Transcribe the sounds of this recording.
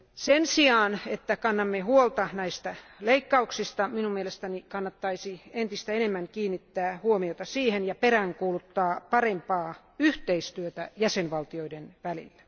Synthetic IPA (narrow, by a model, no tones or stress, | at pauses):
sensiɑːnet̪ːækɑnːɑmːehuolt̪ɑnæist̪æleikːɑuksist̪ɑminumielest̪ænikɑnːɑt̪ːɑisient̪ist̪æenemːæŋkiːnːit̪ːæːhuomiot̪ɑsiːhenjɑpeɾæŋkuːlut̪ːɑːpɑrempɑː | yht̪eist̪yøt̪æjæsenʋɑlt̪ioidenʋælḭlːæ̥